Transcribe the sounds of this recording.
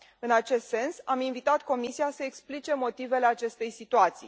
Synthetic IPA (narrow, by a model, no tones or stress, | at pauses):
ɨnat͡ʃe̞st̪se̞nsaminvit̪at̪ko̞misiasəeksplit͡ʃe̞mo̞t̪ive̞le̞at͡ʃe̞st̪e̞jsit̪uat̪sḭj